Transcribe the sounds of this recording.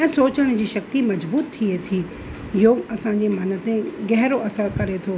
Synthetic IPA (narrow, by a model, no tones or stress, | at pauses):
ɛ̃ːsoːt͡ɕəɽ̃d͡ʑiːʃɐk̚t̪imɐd͡ʑbuːt̪ʰːiet̪ʰi | joːɡɐsãɲd͡ʑem̤ɐnə̆t̪ẽɡɛɦɾoɐsəɾkɐɾet̪ʰoː